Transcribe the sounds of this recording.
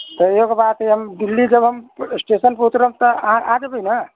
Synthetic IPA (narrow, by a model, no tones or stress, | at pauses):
t̪ɔjokebat̪iɦəmɖilːid͡ʒəbɦəmsʈesənput̪ɾəmt̪ɔ̃ʔad͡ʒəbənə